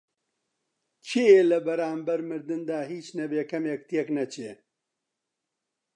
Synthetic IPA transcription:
t͡ʃʰieːlɐbɐɾaːmbɐɾmɨɾd̪ɨnd̪aːɦiːt͡ʃnɐbeːkɐmjɛkt̪ijeknɐt͡ʃʰe

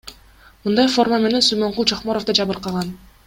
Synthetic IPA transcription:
mɯnd̪ɑjfo̞rmame̞ne̞nsymeɴqulˠd͡ʒʰaχmoɾofd̪ɑd͡ʒɑβɯɾqɑʁɑn

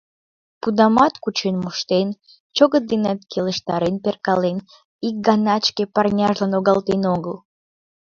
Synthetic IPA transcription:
pud̪ɑmɑt̪kut͡ɕenmoʃt̪en | t͡ʃoɣət̪d̪enet̪kʲʰeləʃt̪ɑɾenperkɑlen | ik̚ɡɑnɑt͡ɕkepɑrnʲɑʒlɑnoɣɑlt̪enoɡəl

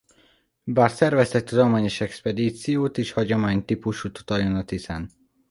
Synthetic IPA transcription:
baːrsɛrvɛst̪ɛt̚t̪ːud̪olmaːɲoʃɛkspɛd̪iːt̪sijoːt̪eːʃhɒɟomaːɲt̪ipuʃut̪u̥t̪ɒjonɒt̪isaːn

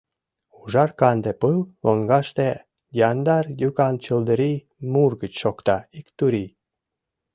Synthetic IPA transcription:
uʒɑrkɑnd̪epɯlloŋɡɑʃt̪e | jɑnd̪ɑrjukɑnt͡ɕəld̪əɾi | murɡət͡ɕʃokt̪ɑikt̪uɾi

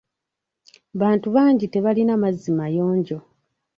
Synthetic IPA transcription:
βaːntuβaːɲɟite̞βalinamazimajo̞ːɲɟo̞

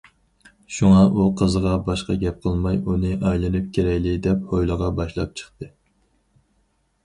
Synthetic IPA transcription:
ʃuŋɑʔuqʰəzəʁɑbɑʃqɑ̰ɡʲɛp̚qʰəlˠmɑjunɨʔɑjlˠɨnɨp̚kʲʰeɾɛkʲlɪd̪ɛphojlˠəʁɑbɑʃlˠɑp̚t͡ʃʰə̥χt̪ɨ

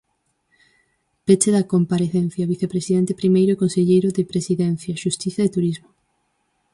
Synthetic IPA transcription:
pet͡ʃeðɐkompaɾeθenθjɐβiθepɾesiðɛnt̪epɾimejɾoikonseʎejɾoðepɾesiðɛn̟θjɐʃust̪iθjaðet̪uɾizmo

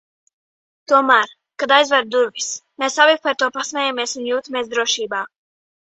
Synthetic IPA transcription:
t̪uɔmaːɾ | kad̪ajzvɛɾd̪uɾvismesavik̚paɾt̪uɔpasmɛːjamiɛsunjuːt̪ameɛs̬d̪ɾuɔʃiːbaː

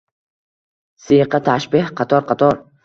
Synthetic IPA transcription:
sɪjqʰɑt̪ʰaʃbɪhqʰɑt̪ʰɒɾqʰɑt̪ʰɒɾ

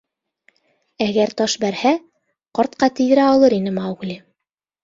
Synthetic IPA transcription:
æɡæɾt̪ɒʃbæɾhæ | qɑɾt̪̚qɑt̪ɘ̆jɘ̆ɾæɑlˠɤɾinɘmɑwɣlʲi

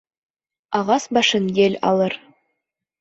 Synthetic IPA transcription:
ɑʁɑsbɑʃɤnjelʲɑ̰lˠɤɾ

